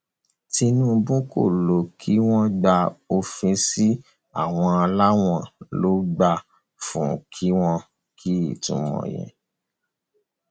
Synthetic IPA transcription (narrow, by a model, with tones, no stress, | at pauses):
ti˧nũ˦bũ˦ko̰˦˨lo˨kʰi˦w̃ɔ̃˦ɡ͡ba˧o˧fĩ˧si˦ | a̰˦˨w̃ɔ̃˧a˧la˦w̃ɔ̃˦˨lo˨˦ɡ͡ba˧ | fũ˨˦˨kʰi˦w̃ɔ̃˧ | kʰi˦ḭ˨tṵ̃˧˦mɔ̰̃˨jɛ̰̃˨